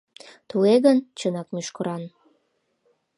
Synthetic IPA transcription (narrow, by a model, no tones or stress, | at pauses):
t̪ueɣənt͡ɕənɑkmyʃkəɾɑn